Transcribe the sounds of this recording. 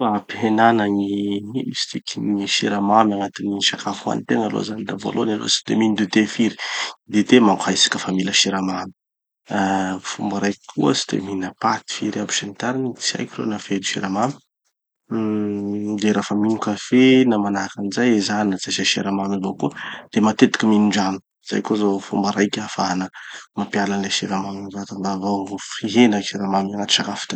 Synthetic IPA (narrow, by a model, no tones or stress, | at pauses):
aapɦenanaɲiiisi̥t̪ikʲiniʃiɾamamaŋat̪iniʃakafua̰nit̪eŋalo̰zanid̪avo̰lo̰nalo̰si̥t̪ḛminid̪ut̪efiɾid̪et̪emaŋkajsḁkʲəfamiləʃiɾamami̥ | fumbaɾajkkʰuəsi̥t̪ḛminapat̪i̥fiɾabi̥ʃanit̪aɾanit͡sia̰jkʲiɾo̰nafeniʃiɾamami̥ | d̪eɾafəminukafenamanakanizajezaninat͡sasaʃeɾamamivokud̪̥emat̪et̪i̥kʲiminiɳɖ͡ʐami̥ | z̥a̰jkozofumbaɾajkʲafaanəmapialanleʃeɾamaminvat̪amb̪avafriɦenəʃiɾamamanat̪i̥t͡ʃakafi̥t̪a